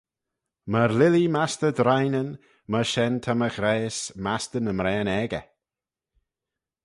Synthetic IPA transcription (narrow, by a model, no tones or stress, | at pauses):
məɾlɪlimast̪əd̪ɾajnən | məʃɛnt̪ʰaməxɾeːsmast̪ənəmɾɛːnɛɡə̰